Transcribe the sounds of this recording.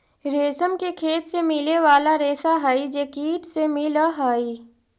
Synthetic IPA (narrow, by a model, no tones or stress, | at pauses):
ɾeːsəmkekʰeːt̪semɪleʋaːlaɾeːsaɦaːid͡ʒekiːʈsemɪlaɦaːi